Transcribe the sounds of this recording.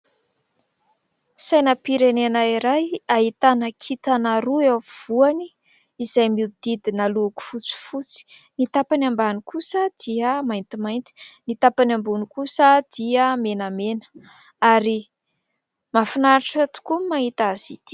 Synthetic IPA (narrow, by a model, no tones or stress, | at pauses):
sajnəpiɾenenaiɾajaɦit̪anakʰit̪anaɾuewv̥uani | izajmid̪̥id̪inaluku̥fut͡si̥fut͡si̥ | nit̪apanambanikusəd̪̥iəmajnt̪imajnt̪i̥nit̪apanambunikusəd̪̥iəmenamenə̥ | aɾi | mafinaɾaʈ͡ʂət̪u̥kumaɦit̪azit̪i̥